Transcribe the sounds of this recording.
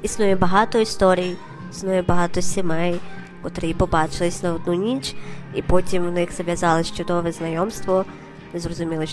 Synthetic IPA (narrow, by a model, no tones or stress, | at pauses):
isnujɛbɐɦɑt̪ɔist̪ɔɾʲij | isnujɛbɐɦɑt̪ɔsʲɪmɛj | kɔt̪ɾɪipɔbɑt͡ʃɪlˠɪsʲnɐɔd̪nunʲit͡ʃipɔtʲimʋnɪxz̥ɐʋʲjɐzɑlˠɪʃt͡ʃɔd̪ɔʋɛznɐjɔmst̪ʋɔ | nɛzrɔzʊmʲilˠɪ